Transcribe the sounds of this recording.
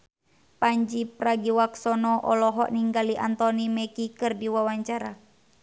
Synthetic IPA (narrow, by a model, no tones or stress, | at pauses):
paɲd͡ʒipɾaɡiwaksɔnɔʔɔlɔɦɔ̰ʔniŋɡaliʔant̪ɔnimɛkikɨrdiwawaɲt͡ʃaɾa